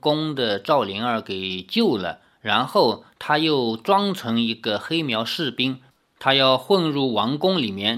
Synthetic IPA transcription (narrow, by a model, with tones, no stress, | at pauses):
kʊ˥ŋd̪ə˨ʈ͡ʂɑ˥˩ʊli˧˥ŋə˞˧˥ke˨˩ɪt͡ɕjo˥˩ʊlə̰˩ | ɻa˧˥nxo˥˩ʊt̪ʰa˥jo˥˩ʊʈ͡ʂwɑ˥ŋt͡sʰɤ˧˥ŋi˧˥ɡə˧xe˥ɪmjɑ˧˥ʊʂɻ̩˥˩pi˥ŋ | t̪ʰa˥jɑ˥˧ʊxwə˥˧nɻu˥˩wɑ˧˥ŋkʊ˥ŋli˨˩mjɛ˥˧n